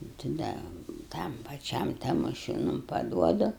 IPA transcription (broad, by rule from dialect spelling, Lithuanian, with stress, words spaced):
tɐ ˈdɐ ˈtɐm pɐˈt͡ʃʲɛm tɐmoːˈʃʲuːnʊm pɐˈduɔdʊ